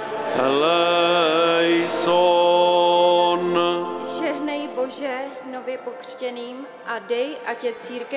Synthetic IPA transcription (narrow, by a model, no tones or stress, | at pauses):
lɛ | jso | nʒɛɦnɛjbo̞ʒɛ | novjɛpokr̝̥cɛniːm | ʔadɛjʔacɛt͡siːɾkɛ